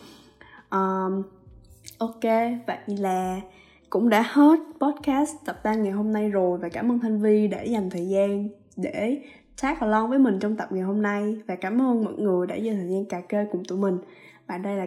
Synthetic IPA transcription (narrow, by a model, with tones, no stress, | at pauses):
ʔəː˨˩ | ʔo˧ke˧ɓa̰ː˧˨ŋ˧laː˨˩ | kʊ̰˧˥ŋ͡mɗa̰ː˧˥he˦˥t̚pɔ˦˥t̚kaː˦˥st̪ə˨˩p̚t̪aː˧ŋŋa˨˩jɦo˧mna˧jzo˨˩jvaː˨˩kaː˧˩mʔəː˧nt̪ʰa˧jŋ̟vi˧ɗe˧˩za˨˩mt̪ʰəː˨˩jzaː˧n | ɗe˧˩˥ | t͡ɕaː˦˥k̚hɔ˨˩lɔ˧nvəː˨˦jmï˨˩ŋ̟t͡ɕɔ˧wŋ͡mt̪ə˨˩p̚ŋa˨˩jɦo˧mna˧jvaː˨˩kaː˧˩mʔəː˧nmɔ̰˧˨nŋɨ˨˩əjɗa̰ː˧˥zəː˧˩t̪ʰəː˨˩jzaː˧nkaː˨˩ke˧kʊ˨˩ŋ͡mt̪u˧˩mï˨˩ŋ̟ | ɓa̰ː˧˨nɗə˧jlaː˨˩